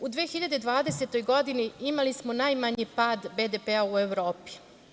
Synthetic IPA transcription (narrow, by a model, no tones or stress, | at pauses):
ud̪ʋeːxiʎad̪e̞d̪ʋaːd̪e̞set̪o̞jɡo̞d̪iniimalismonajmaɲipaːd̪bed̪epeaueʋɾo̞ːpi̥